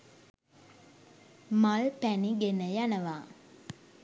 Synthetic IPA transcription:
malpæniɡenəjanəʋaː

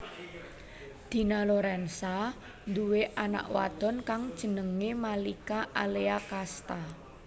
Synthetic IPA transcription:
d̪̥i̤naloɾɛnsa | nd̪uweʔana̰ʔwa̰d̪̥ɔ̤nkaŋd̥ʒ̥ə̤nəŋemalikaʔaleakast̪a

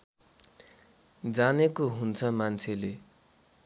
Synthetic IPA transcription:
d͡zanekoɦunt͡sʰʌmant͡sʰele

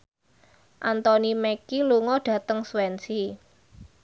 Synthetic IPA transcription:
ʔant̪ɔnimɛkiluŋɔdɖ̥ä̤t̪əŋswɛnsi

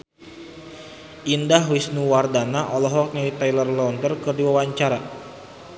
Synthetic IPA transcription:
ʔindaɦwisnuwardanaʔɔlɔɦɔk̚ɲawit̪ajlərlɔnt̪ərkɨrdiwawaɲt͡ʃaɾa

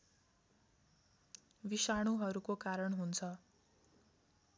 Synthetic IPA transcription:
bisaɽ̃uɦʌɾukokaɾʌɳɦunt͡sʰʌ

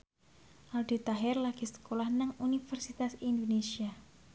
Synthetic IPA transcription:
ʔald̪i̤t̪aɦɛrlaɡ̥i̤sə̥kolahnaŋunifərsit̪asind̪onesia

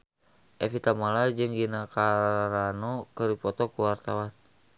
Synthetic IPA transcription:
ʔɛfit̪amalad͡ʒɨŋɡinakaɾanɔkɨripɔt̪ɔkuwart̪awan

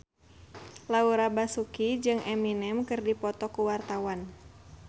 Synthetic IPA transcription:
lauɾabasukid͡ʒɨŋʔɛminɛmkɨrdipɔt̪ɔkuwart̪awan

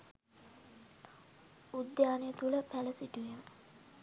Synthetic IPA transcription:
ud̪jaːnejət̪uləpæləsiʈujemə

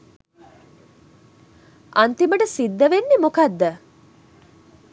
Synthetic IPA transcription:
ʔant̪iməʈəsid̪ːəʋenːemokad̪ːə

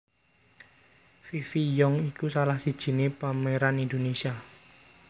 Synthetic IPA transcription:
fifijɔŋikusalahsid̥ʒ̥i̤nepameɾanind̪onesia

